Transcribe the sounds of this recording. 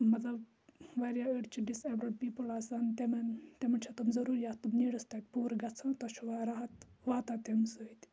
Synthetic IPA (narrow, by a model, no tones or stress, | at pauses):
mɐt̪lɐb | ʋaɾjaəɖt͡ʃʰiɖisebɾɐɖpiːpəlaːsant̪emɐnt̪emɐɳt͡ʃʰɐt̪umzɐɾuːɾjaːt̪umniːɽəst̪at̪̚ʲpuːɾɡɐt͡sʰãːt̪ɐʃʰuʋaɾaɦɐt̪ʋaːt̪at̪emsəit̪ʲ